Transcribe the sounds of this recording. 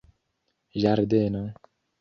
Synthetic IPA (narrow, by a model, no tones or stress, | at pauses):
jaɾd̪ena